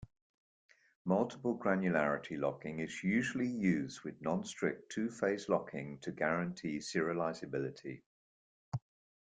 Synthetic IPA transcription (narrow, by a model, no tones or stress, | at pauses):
mʌlˠtʰɪ̥pəlˠɡɹãnjʉlaɹɪtʰilɒ̰kɪ̃ŋɪzjʉːʒəlijʉːzdwɪðnɒ̃nstɹ̥ɪ̰k̚tʰʉːfeɪzlɒkʰɪ̃ŋtʰəɡaɹə̃ntʰiːsɪəɹɪəlaɪzəbɪlɪtʰḭ